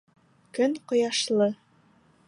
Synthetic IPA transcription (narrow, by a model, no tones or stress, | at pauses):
kɵnqŏjɑʃlˠɤ